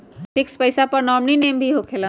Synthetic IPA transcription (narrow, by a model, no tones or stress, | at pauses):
fɪkspəɪsapɐɾnɔːmnineːmbʱiɦokʰeːlə̃